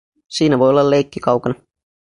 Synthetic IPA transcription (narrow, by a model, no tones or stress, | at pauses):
siːnæʋo̞jolːɑlejkːikɑwkɑnɑ